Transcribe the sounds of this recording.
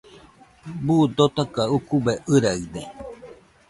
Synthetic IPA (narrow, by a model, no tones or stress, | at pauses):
buːd̪ot̪akaukubeʔɨɾaɯd̪e